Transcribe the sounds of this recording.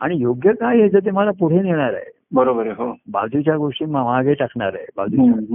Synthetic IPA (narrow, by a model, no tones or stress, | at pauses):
a̰ɽ̃ijoɡjəkajɦed͡zət̪̬ʰemalapuɽ̤eniɭ̃aɾa̰ɦḛ | bəɾobəɾɦoba̰d̪ut͡ɕjaɡoʂʈiːmaʋaɡeʈakʰɳaɾaebad̪u